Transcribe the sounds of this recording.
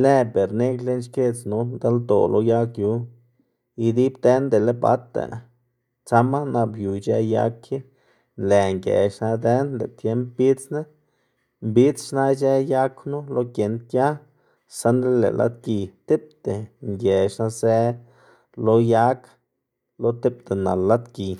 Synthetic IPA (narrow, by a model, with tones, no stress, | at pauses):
le˦˧be˨ɾne˦klle˦nʃke˦t͡snu˧˦nd̪a˦ld̪o̰˨lo˦ja˦kju˨˦ | i˧d̪i˦bd̪e˦nd̪e˨le˦ba̰˦t̪ḛ˨ | t͡sa˦ma˦na˧bju˨t͡ʃe˧ja̰˧kji˦ | le˨ŋɡḛ˨ʃna˧d̪e˦nlḛ˨t̪je˦mpbi˦t͡sne˦ | mbi˦t͡sʃna˦d͡ʒe˦ja˦knu˦lo˦kje˨nt̪̚kʲja˦ | sa˦nd̪ɾe˦lḛ˨lʔa̰˦t̪̚ki˨t̪i˦p̚t̪e˨ŋɡʲe˨ʂna˧se˦ | lo˧ja˦k | lo˦t̪i˦p̚t̪e˨na˨lːa˦t̪ki˨